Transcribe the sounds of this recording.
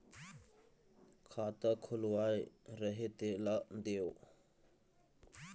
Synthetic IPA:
kʰat̪əkʰʊlwajɾəɦet̪elaʔd̪eo

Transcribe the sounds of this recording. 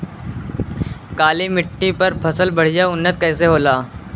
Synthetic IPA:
kaːlimɪʈːipɐɾpʰɐsəlbɐɽ̤ijaʊnːət̪̚kɛːseɦoːlaː

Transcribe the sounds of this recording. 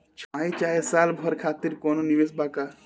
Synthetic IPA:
t͡ʃʰãːĩt͡ʃaːesaːlbʱɔɾkʰaːt̪iɾkoːnoniʋesbaːkaː

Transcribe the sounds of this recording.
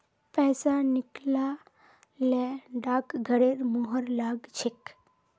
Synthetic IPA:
pɛːsanɪkla | lɛɖaːkɡʱəɽeɾmuɦəɾlaːɡt͡ʃʰik

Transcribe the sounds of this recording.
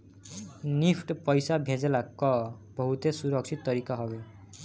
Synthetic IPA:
nipʰʈpɔjsabʱẽd͡zelakɔbɔɦut̪esuɾʌksʰit̪ːɔɾikaɦɔɡe

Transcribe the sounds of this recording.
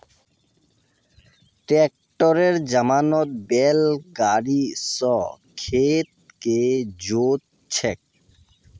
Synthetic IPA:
ʈɾek̚ | ʈɔɾeɾd͡ʑamanɔt̪̚bɛlɡaɾisɔ | kʰet̪̚ | ked͡ʑot̪̚ | t͡ɕʰɛk̚

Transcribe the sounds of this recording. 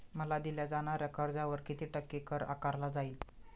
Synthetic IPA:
məlad̪iljad͡zaɽ̃aɾjakʰəɾd͡zaʋəɾkit̪iːʈəkːikəɾa̰kaɾlad͡zail

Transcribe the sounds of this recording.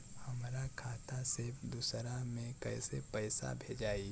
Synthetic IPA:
hɐmɾakʰaːt̪ased̪usɾamẽkɛɪsepɛːsa̰bʱeːd͡ʒaːi

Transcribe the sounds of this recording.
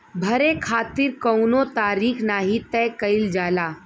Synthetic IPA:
bʱɐɾekʰaːt̪iɾkəwnot̪aːɾiːkʰnaːɦit̪ɛjkɐɪld͡ʒaːlaː

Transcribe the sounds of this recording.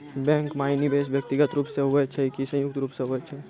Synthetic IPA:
bɛ̃ŋkmaːɪnibeːsbjək̚t̪iɡət̪ɾuːpseɦoɛt͡ʃʰɛikisɐ̃jʊk̚t̪ɾuːpseɦoɛt͡ʃʰɛ

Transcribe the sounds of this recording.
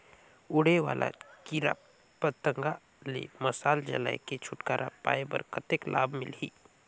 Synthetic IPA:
ʊɽ̤eʋa̰ːlʔa̰kiɾa̰ | pət̪ːəŋɡa | lḛməsaːld͡ʒɐ̰la̰eket͡ʃʰʊʈkaːɾʔapa̰ːebə̰ɾkət̪eklʔaːbʱmɪlɦiː

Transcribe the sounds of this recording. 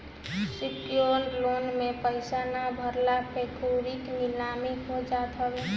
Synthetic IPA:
sikjonlonmepəɪsanabʱəɾlapekuɾikmilamiɦod͡ʒat̪ʰəli

